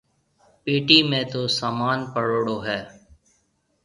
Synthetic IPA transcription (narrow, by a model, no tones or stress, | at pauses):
piːʈiːmẽːt̪oːsaːmaːnpəɽoːɽoːɦɛː